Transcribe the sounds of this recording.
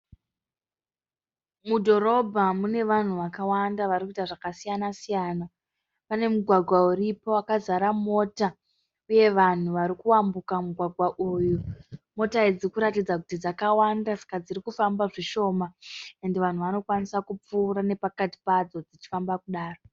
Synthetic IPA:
mudʱo̞ɾo̞bʱamune̞ʋan̤uʋakawandaʋarikuitaʐakasijanasijana | pane̞muɡʱwaɡʱwauɾipo̞akazaɾamo̞ta | uje̞ʋan̤uʋaɾikuwambukamuɡʱwaɡʱwaʔujumo̞taid͡zikuɾatid͡zakutid͡zakawandasḁkad͡ziɾikufambaʐiʃo̞mae̞ndeʋan̤uʋano̞kwanisakup͡fuːɾane̞pakati̥pad͡zo̞d͡zit͡ʃi̥fambakuɗaːro̞

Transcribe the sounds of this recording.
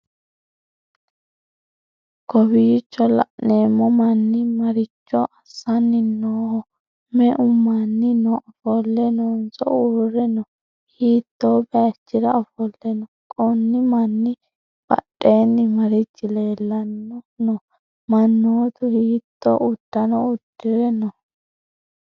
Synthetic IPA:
kɔbiːt͡ʃːɔlɐ̰ʔneːmːɔmɐnːɪmɐɾɪt͡ʃːɔʔɐsːɐnːɪnoːhɔ | mɛʔʊmːanːɪnɔʔɐfɔlːɛnɔnsɔ̰uːrɛnɔ | hiːt̪ːoːbɛɐt͡ʃːɪɾɐɐfɔlːɛnɔ | kʼɔnːɪmɐnːɪ | b̥ɐ̰ɗʼːeːnːɪmɐɾɪt͡ʃːɪle̞ːlːɐnːɔnɔ | mɐnːoːt̪ʊhiːt̪ːɔ̰ʔʊd̪̥ːɐnɔʊd̪ːɪɾɛnɔ

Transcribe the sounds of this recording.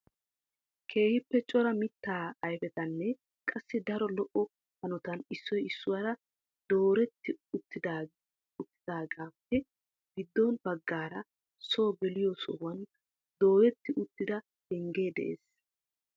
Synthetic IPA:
kʰe̞ːhɪpːɛt͡ʃʼɔɾɐmɪt̪ːaːɐjfɛt̪ɐnːɛ | kʼɐsːɪd̪ɐɾɔlɔʔɔ | hɐnɔt̪ɐnɪsːɔjɪsːʊwɐɾɐ | d̪̥o̞ːɾɛt̪ːɪʊt̪ːɪd̪a | ʊt̪ːɪd̪aːɡaːpːɛ | ɡɪd̪ːɔnb̥ɐɡːaːɾɐ | so̞ːɡɛlɪjɔsɔwɐn | d̪o̞ːɾɛt̪ːɪʔʊt̪ːɪd̪ɐ | hɛŋɡe̞ːd̪ɛ̰ʔḛːs

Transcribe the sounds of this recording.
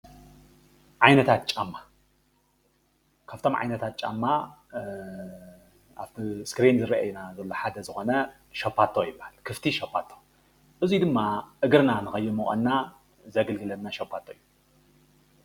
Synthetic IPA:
ʕajnɐt̪ʰat̪̚t͡ʃʼamːa | kʰaft̪ʰo̞mʕa̰jnɐt̪ʰat̪̚t͡ʃʼa̰mːa | a̰ft̪ʰiskɾinzɨɾɐʔa̰junazɐlːo̞ħad̪ɐzɨxo̞nɐ | ʃopʰːat̪ʰːojɪbːahalkʰɨft̪ʰiʃopʰːat̪ʰːo | ʔɨzid̪ɨmːaʔɨɡɨɾnanɨxɐjːumɨχʼɐ̰nːa | zɐɡɐlɡɨlɐmnaʃopʰːat̪ʰːoijːu

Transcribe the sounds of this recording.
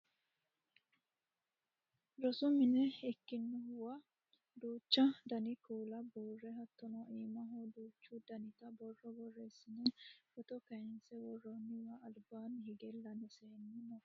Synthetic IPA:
ɾɔsʊmɪnɛɛkːɪnːʊhʊwɐ | d̪uːt͡ʃːɐd̪ɐnɪkuːlɐbuːrːɛɦɐt̪ːɔnɔʔiːmɐɦod̪uːt͡ʃːud̪ɐnɪt̪ɐbɔrːɔbɔrːeːsːɪnɛfɔt̪ɔkɐɛnsɛwɔrːɔnːɪwɐːlbaːnhɪɡɛlːɐnɛseːnːɪnɔ

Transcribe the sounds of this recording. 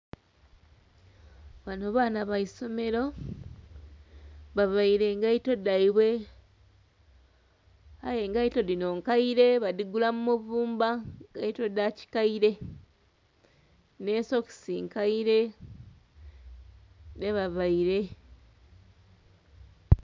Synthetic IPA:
βanoβaːnaβaiso̞me̞ɾo | βaβaiɾe̞ŋɡaito̞daiβwe̞ | a̰je̞ŋɡaito̞dino̞ŋkaiɾe̞βadiɡulamumuβuːmbaŋɡaito̞daci̥kaiɾe̞ | ne̞so̞ki̥sḭːŋkaiɾe̞ | ne̞βaβaiɾe̞

